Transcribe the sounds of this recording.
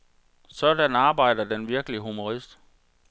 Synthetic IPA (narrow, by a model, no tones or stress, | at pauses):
sɒ̽d̥ænɑ̈ːb̥ɑ̈ɪ̰d̥ɐd̥enʋiɐɡ̥əliɦumo̝ʁisd̥